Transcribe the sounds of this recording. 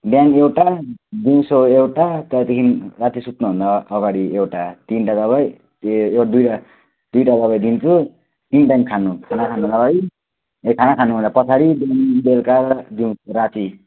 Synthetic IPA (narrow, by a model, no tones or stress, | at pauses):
bjanewʈad̪iw̃soewʈat̪ʌt̪ikʰinrat͡sisut̪nuɦũnd̪aːɡaɽiewʈat̪inʈad̪ʌβaj | ed̪ujʈa | d̪̥ujʈad̪ʌβʌjd̪int͡sʰu | inʈaŋkʰanukʰanakʰanunʌɡaɽi | ekʰanakʰanuɦũnd̪apʌt͡sʰaɾibjanbelkaɾd̪iw̃sɾat͡si